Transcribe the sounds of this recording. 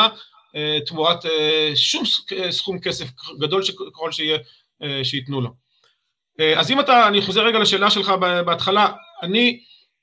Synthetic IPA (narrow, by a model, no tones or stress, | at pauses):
et̪muateʃumesχumke̞sefɡado̞lʃekeχo̞lʃeije | ʃeit̪nulo̞ | eazimataːniχozeɡalaʃe̞ːlaʃe̞lχabebeat̪χalaani